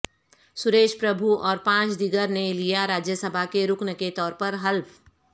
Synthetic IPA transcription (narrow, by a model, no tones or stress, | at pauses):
sʊɾeːʃpɾəbʱuɔːɾpãːt͡ʃd̪iɡəɾnelijaɾaːd͡ʒjəsəbʱakeɾʊknəket̪ɔːɾpɐɾɦɐlp